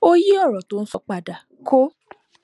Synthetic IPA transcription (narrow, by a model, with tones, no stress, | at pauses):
o˦ji˦ɔ˦˨ɾɔ̃˨to˨˦˧ñ̩˦sɔ̰˧˦k͡pa˨da˨ | kʰo˦